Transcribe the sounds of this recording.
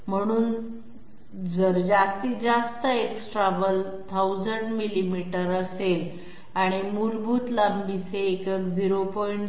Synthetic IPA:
m̤əɽ̃uːn | d͡zəɾd͡zast̪iːd͡zast̪əeksʈɾaʋəl | t̪ʰawd͡zəɳɖmilimiʈəɾəsel | aɽ̃imuɾbuːt̪lambiseːkəkd͡ziɾopɔiɳʈ

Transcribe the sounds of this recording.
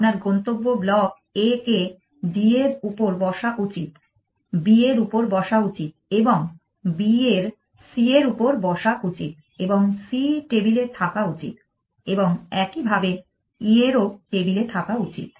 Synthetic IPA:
naɾɡont̪obːoblɔk̚ | eke | bieɾupoɾbɔʃakut͡ɕit̪ | bieɾupoɾbɔʃaut͡ɕit̪̚eboŋ | bieɾ | sieɾupoɾbɔʃaʔut͡ɕit̪̚ | eboŋsiʈebilet̪ʰakaut͡ɕḭt̪̚ | eboŋɛkibʱabe | ieɾoʈebilet̪ʰakaut͡ɕḭt̪̚

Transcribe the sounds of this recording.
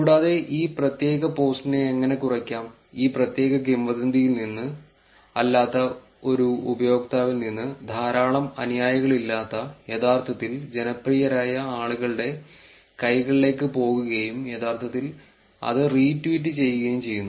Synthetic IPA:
kːɽaːðe̞ʔiːprɐt̪je̞ːɣɐpo̞ːsʈine̞ːŋːɐne̞kurɐkʲːaːm | iːprɐt̪je̞ːɣɐɡimʋɐðɐnd̪ʱijilninːɨ | ɐlːaːt̪ːɐ | o̞ɾuubɐjo̞ːk̚t̪aːʋilninːɨd̪ʱaːɾaːɭɐmɐ̰nijaːjɐɣɐɭilːaːt̪ːɐjet̪ʰaːrt̪ʰɐt̪ːild͡ʑe̞nɐprijɐɾaːjɐaːɭuɣɐɭɨɽe̞ | kɐjɣɐɭile̞ːkːɨpo̞ːɣuɣɐjumjet̪ʰaːrt̪ʰɐt̪ːil | ɐ̰ðɨriːtːʋiːtːɨt͡ɕe̞jːuɣɐjumt͡ɕe̞jːunː

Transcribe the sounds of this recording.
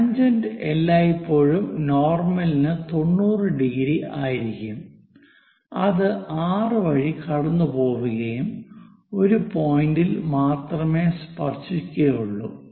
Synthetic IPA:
ɐɲd͡ʑɐndɨelːaːjipːo̞ːɻumno̞ːrmɐlinɨt̪o̞ɳːuːrɨɖiɡɾiʔaːjiɾikʲːum | ɐ̰ðɨaːrɨʋɐɻikɐɽɐnːɨpo̞ːʋuɣɐjum | o̞ɾupo̞ːjindilmaːt̪rɐmeːspɐrt͡ɕːikʲːɐjuɭːṵ

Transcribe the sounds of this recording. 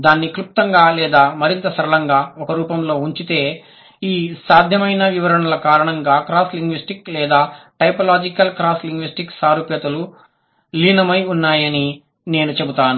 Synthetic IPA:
d̪aːnːikɾup̚t̪ɐŋɡaːlɛːd̪aːmɐɾint̪ɐsɐɾɐlɐŋɡaːɔkɐɾuːpɐmlo̞ːuɲt͡ʃit̪e̞ː | iːsaːd̪ʱjɐmɐjnɐʋiʋɐɾɐɳɐlɐkaːɾɐɳɐŋɡaːkɾaːsliŋɡʋisʈiklɛːd̪aːʈɐjpɐlaːd͡ʒikɐlkɾaːsliŋɡʋisʈiksaːɾuːpjɐt̪ɐlu | liːnɐmɐjunːaːjɐni | ne̞ːnut͡ʃe̞but̪aːnu

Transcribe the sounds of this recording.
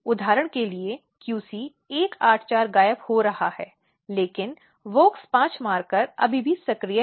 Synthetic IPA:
ʊd̪ʱaːɾəɽ̃kelie | kjuːsi | eːkaːʈʰt͡ʃaːɾɡaːjəphoɾɐhahɛː | leːkɪn | ʋoːkspãːt͡ʃmaːɾkɐɾɐ̰bʱibʱisɐkɾijə

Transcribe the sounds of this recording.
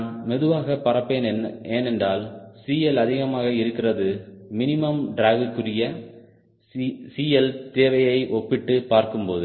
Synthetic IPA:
nmɛðɯʋaːɣɐpːɐrɐpːeːneːnɛndraːlsiːjɛlɐðɪɣɐmaːɣɐɪɾɯkːɪrɐðɯmɪnɪmɐmɖɾaːɣɯkːɯrɪjɐ | siːɛlt̪eːʋɐjɐɪʔɔpːɪʈːɯpaːɾkɯmpoːðɯ

